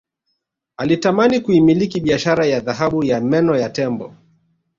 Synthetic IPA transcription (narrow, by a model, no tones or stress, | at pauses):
alitamanikuimilikiɓiaʃaɾajaðaɦaɓujamɛnɔjatɛmbɔ̰